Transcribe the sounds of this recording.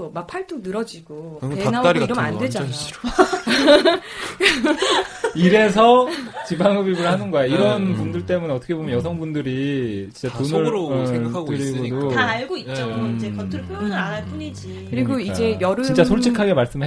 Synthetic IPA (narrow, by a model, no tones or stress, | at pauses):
omapʰaɭt͈ʰunɯɾʌd͡ʑiɡoenaaɾiɾʌmandwed͡ʑa | iɾe̞s̬ʰʌt͡ɕibaŋɯbiɭɡɯɭhanɯnɡʌaiɾʌnpundɯɭt͈e̞muneʌt͈ʰʌkʰe̞bomjʌnjʌs̬ʰʌŋbundɯɾit͡ɕint͡ɕ͈atonɯeɡʰaɡɯɾiɡodoaːɭɡoit̚t͡ɕoiekʌtʰɯɭpʰap͈ʰuɲid͡ʑi | kɯɾiɡoid͡ʑe̞jʌɾɯt͡ɕint͡ɕ͈asʰoɭt͡ɕʰikʰaɡe̞maɭs͈ɯmɯɭ